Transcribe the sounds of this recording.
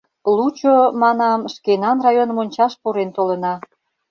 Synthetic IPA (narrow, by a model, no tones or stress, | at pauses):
lut͡ɕomɑnɑmʃkenɑnrɑjonəmonʲt͡ɕɑʃpoɾent̪olə̆nɑ